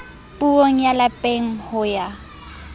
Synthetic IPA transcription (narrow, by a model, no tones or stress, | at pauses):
pʼuoŋ̩jalapʼeŋ̩hʊja